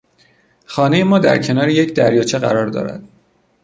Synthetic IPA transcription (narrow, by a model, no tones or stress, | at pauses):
xɒːne̞jemɒːd̪æ̰ɾcʰe̞nɒːɾeje̞cʰd̪æɾjɒːt͡ʃʰeɣæ̰ɾɒːɾd̪ɒ̰ːɾæ̰d̪̥̚